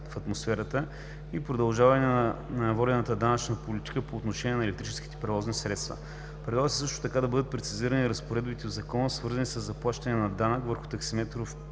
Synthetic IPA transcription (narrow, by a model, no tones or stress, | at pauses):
fɐt̪mosfɛɾət̪ə | ipɾod̪ɐlˠʒavɐnɛnnvɔd̪ɛnət̪əd̪anɐt͡ʃnəpolit̪i̥kəpoːt̪noʃɛnʲiɛnɐɛlɛkt̪ɾit͡ʃɛsk̟i̥t̪ɛ̥pɾɛvɔznisɾɛt̪st̪və̰ | pɾɛd̪ˠaɣəsi̥sɤʃt̪o̥t̪ɐkad̪ɐbɤd̪ət̪̚pɾɛt̪siziɾəniɾəspoɾɛd̪bit̪ɛod̪zɐkɔnəsvɤɾzənisəzːɐplˠaʃt̪ɐnɛnɐd̪anəkvəɾxʊ̥t̪ɐksimɛt̪ɾof